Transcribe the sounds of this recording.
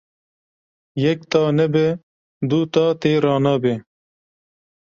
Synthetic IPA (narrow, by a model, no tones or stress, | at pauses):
jɛk̚t̪ɑːnɛbɛ | d̪ut̪ɑːt̪eːɾɑːnɑːbe